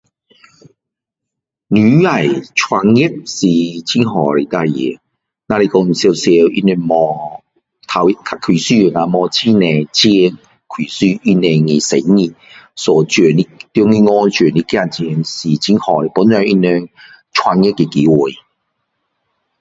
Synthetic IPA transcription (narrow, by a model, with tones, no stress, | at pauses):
ny˨˦a˨˩jt͡ʃʰwa˧ŋjɛ˥k̚si˨t͡ɕʰi˧˥nɦɔː˨˩le˨˩t̪a˧jɛ̰˨˦ | na˧e˧kɔ˧n̩˨sɛ˧wsɛ˧wḭ˧˥nɛ˧mɔː˧ | t̪ʰa˧wjkʰa˧kʰi˨˩syː˧jŋa˧mɔː˧t͡ɕʰi˦˥nɛ˨˧t͡ɕi˥˧˥ŋ | kʰwi˨˩syː˧˩i˧˥nɛ˧ŋi˨sḛ˨˦ŋi˧ | sɔː˨˩t͡ʃø˨˩ni˦˥t̪jɔ˥˧˥ŋi˧ŋɔː˧nt͡ʃøː˨˩ni˦˥kja˧˩nt͡ɕɛ˧ŋsi˨˩t͡ɕi˧˥nhɔː˨˩˨pɔ˨˦nt͡sɔ˨˧ʔi˦˥nɛ˧ŋ | t͡ʃʰwa˧ŋjɛ˦˥kːɛ˧ki˨˦wu˨˩j